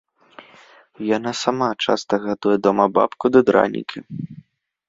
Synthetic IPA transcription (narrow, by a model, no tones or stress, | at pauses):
janasamat͡ʂa̰st̪ɐɣad̪ujɛd̪ɔmɐba̰pkud̪ɐd̪ɾa̰nʲḭkʲi